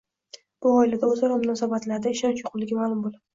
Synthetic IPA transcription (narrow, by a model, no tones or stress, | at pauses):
b̥ʊɒɪlad̪azaɾɒmʊnɒsabat̪laɾd̪aɪʃɒnt͡ʃjoqʰʊllɪɡʲamaːlˠʊmbolˠad̪ɪ